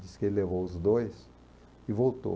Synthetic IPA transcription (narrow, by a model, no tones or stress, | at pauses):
d͡ʒisɪ̥kelɪlevowʊzd̪ojs | ɪvowt̪o̰